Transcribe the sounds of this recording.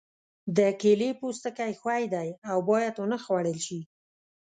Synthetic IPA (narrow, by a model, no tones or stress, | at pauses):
d̪əkelepust̪əkajxwajd̪ajawbɑjad̪ʊnəxwaɽəlʃi